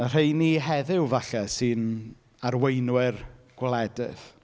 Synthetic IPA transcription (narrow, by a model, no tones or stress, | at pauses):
ər̥ejniɦɛðɪwvaɬɛsɨn | aɾwejnwɪrɡ̥wlˠɛdɪ̰ð̥